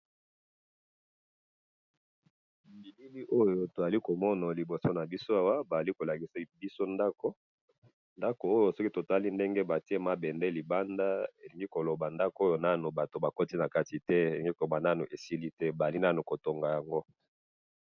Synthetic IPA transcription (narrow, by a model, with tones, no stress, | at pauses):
mbi˨li˦li˦ʔo˦jo˨to˨za˨li˦ko˨mɔ˦na˨li˨bo˨so˦na˨bi˦so˦a˦wa˦ba˨a˨li˦ko˨la˨ki˨sa˨bi˦so˦nda˦ko˦ | nda˦ko˨o˦jo˨sɔ˦ki˦to˨ta˦li˦nde˦ŋɡe˦ba˨ti˦e˦ma˦bɛ˨ndɛ˦li˨ba˦nda˦e˨li˨ŋɡi˦ko˨lo˨ba˨nda˦ko˨˦o˦jo˨na˦nu˨ba˨to˨ba˨ko˦ti˦na˨ka˦ti˨tɛ˦e˨li˨ŋɡi˦ko˨lo˨ba˨na˦nu˨ʔe˨si˦li˦tɛ˦ba˨a˨li˦na˦nu˨ko˨to˨ŋɡa˨ja˨ŋɡo˦